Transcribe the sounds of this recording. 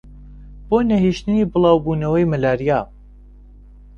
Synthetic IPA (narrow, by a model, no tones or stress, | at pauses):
b̥oːnɐɦiʃt̪ɨniːbɨlˠɑːwbuːnɐwɐjmɐlaːɾijaː